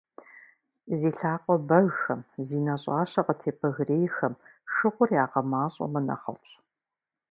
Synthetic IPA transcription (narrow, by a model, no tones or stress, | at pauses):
ziːɬaːqʷʼɔbɐɣxɐmziːnɐɕʼɑːɕɐqətʰeːpʰɐɣreːjxɐmʂɨχʷʊrjaːqɐmaːɕʼɔ̰mɐnɐ̰χɐ̰wɕʼ